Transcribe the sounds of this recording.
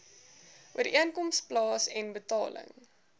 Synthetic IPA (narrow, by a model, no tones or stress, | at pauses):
ʔuəɾiʔiənkɔmsplɑːsɛnbətɑ̰ːlə̰ŋ